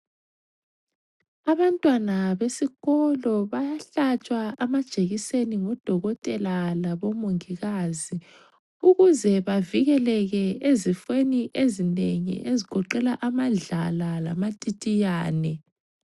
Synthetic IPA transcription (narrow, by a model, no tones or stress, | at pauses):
aβantʼwanaβesiɣɔlɔβajaɬat͡ʃʼwaamad̥ʒ̥ʱeɣiseniŋɔd̥ʱɔɣɔtʼɛlalaβomoŋiɣazi | uɣuzɛβaviɣɛlɛɣɛezifweniʔezineŋḭʔeziɡ̥ʱɔǃɛlaʔamaɮalalamatʼitʼijaːnɛ